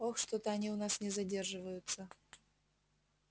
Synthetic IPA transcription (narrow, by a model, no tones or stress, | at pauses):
oxʂt̪ot̪əɐnʲiʊnasnʲɪzɐdʲe̞rʐɨvəjʊt̪sə